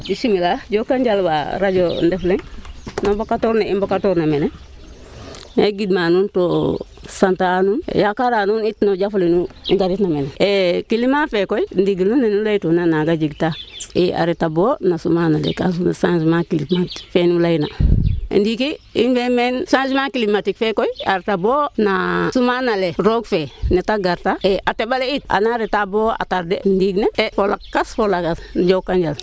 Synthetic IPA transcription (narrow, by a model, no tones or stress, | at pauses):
d͡ʒisimilaɟokaɲɟalba̰ɾad͡ʒondeflennobokatoɾneimbokatoɾnamene | neɡidmanunto | santanun̰jakaɾanunitnoɟaflinuŋɡaɾitnameneekilimafekoindiɡilunːenulaitonanaɡad͡ʒiɡtaea̰ɾitabonasumanalḛkas̬unasanzimakilimati̥kfenulajna̰ndikiinbemensãnzimakilimatikfekoia̰ɾitaboːnasumanaleɾoɡfenetaɡaɾtaeʔatebaleit̚ʔa̰naɾetaboa̰taɾdendiɡneefolakkːasfolakasnd͡ʒokːand͡ʒal